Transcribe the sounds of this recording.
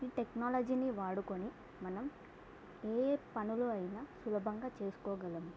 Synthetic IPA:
iːʈeknaːlɐd͡ʒiːniʋaːɽukoni | mɐnɐm | eːpɐnuluɐjinaːsulɐbʱɐŋɡaːt͡ʃe̞ːsu̥kɔːɡɐlɐmu

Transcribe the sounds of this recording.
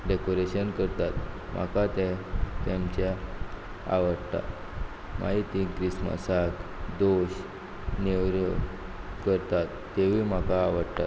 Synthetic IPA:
ɖekoɾeɕənkəɾt̪at̪ | m̤a̰kat̪ɛt̪emt͡ɕa | a̰ʋəɽt̪a̰t̪ | ma̰ɦit̪ĩkɾismə̰sak | d̪oɕ | newɾə | kəɾt̪at̪ːeʋ̤im̤akaːʋəɽt̪a̰t̪

